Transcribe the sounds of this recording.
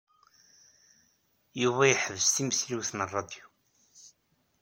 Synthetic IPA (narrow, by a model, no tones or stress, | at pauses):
juvæjħəvəst̪imsliwθnərˤːɑd̪ju